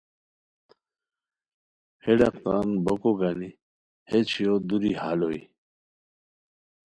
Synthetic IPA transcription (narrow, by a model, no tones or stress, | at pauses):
heɖaqt̪anbokoɡani | het͡ɕʰijod̪uɾihaloḭ